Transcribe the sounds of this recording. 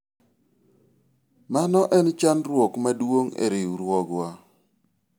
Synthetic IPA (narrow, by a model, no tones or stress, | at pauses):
manɔʔɛnt͡ʃanɾwokmadwoŋḛɾɪuɾwɔɡwa